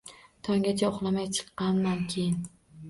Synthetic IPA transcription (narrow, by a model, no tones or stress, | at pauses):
t̪ʰɒŋɡʲat͡ʃʰaoχlˠamajt͡ʃʰɨ̥qːɑnmankʲʰejɪn